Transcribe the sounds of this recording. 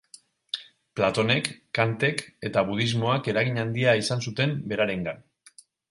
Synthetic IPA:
plat̪o̞ne̞kːant̪e̞ke̞t̪aβuð̞izmo̞ake̞ɾaɣiɲand̪iaisansut̪e̞mbe̞ɾaɾe̞ŋɡan

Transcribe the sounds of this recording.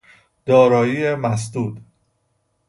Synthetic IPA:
d̪̥ɒːɾɒːjiːemæs̬d̪uːd̪

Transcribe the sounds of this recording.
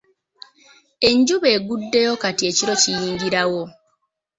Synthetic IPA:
e̞ɲɟuβe̞ːɡudːe̞jo̞katie̞ciɾo̞cijiːŋɡiɾawo̞

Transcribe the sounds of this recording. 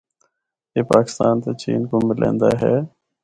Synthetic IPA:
jeːpaːkɪ̥st̪aːnt̪eːt͡ʃiːnkoːmmɪlʔḛ̃ːnd̪aːɦɛː

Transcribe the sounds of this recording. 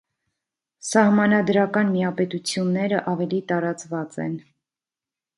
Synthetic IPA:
sɑhmɑnɑd̪ɾɑkɑnmijɑpɛt̪ut͡sʰjunːɛɾəʔɑvɛlit̪ɑɾɑt͡svɑt͡sɛ̰n

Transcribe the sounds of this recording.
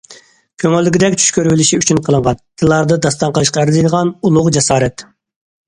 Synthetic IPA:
kʲʰøŋølːɪɡʲid̪ɛkʲt͡ʃʰy̥ʃkʲøɾwɪlɪʃiyt͡ʃʰynqʰəlˠɨŋʁɑnd̪̥ɨlˠɑɾd̪ɨd̪ɑst̪ɑɴqəlˠɨʃqɑæɾɪzijd̪əʁɑnulˠʊqd͡ʒɛsɑːɾɛt̪

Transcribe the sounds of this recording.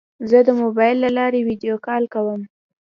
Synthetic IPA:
zəd̪əmobɑjlːalɑɾewid̪ijokɑlkawəm

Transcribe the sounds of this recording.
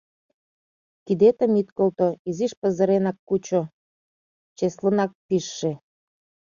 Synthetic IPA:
kid̪et̪əmit̪kolt̪oiziʃpə̆zə̆ɾenɑkːut͡ɕo | t͡ɕeslənɑk̚piʃːe

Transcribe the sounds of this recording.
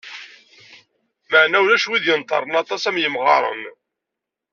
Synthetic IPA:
məʕnæwlæʃwiðjənt̪ˤɑ̰ɾˤənɑt̪ˤɑsæmjəmʁɑ̰ɾˤə̰n

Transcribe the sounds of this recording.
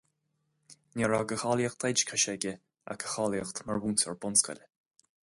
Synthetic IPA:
nʲɛɹaɡəxɑːljəxt̪ʰɛjd͡ʒkʰaʃɛɡʲə | a̰kʰə̥xɑːljəxt̪maɹwuːntɔɹbʊnskə̰lʲ

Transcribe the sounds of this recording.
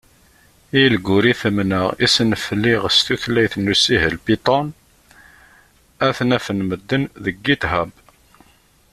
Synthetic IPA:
ijlɡːʊɾiθəmnəʁisənfəlːiʁəst̪uθlːæjθnːusiɦəlpit̪ˤɑn | æθnæfənməd̪ːənðəɡːit̪ɦæb

